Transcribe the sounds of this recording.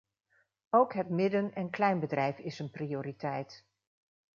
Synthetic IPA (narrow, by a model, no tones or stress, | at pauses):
owkɦətmɪdənɛnklɛjnbədrɛjfɪsənprioːɾitɛjt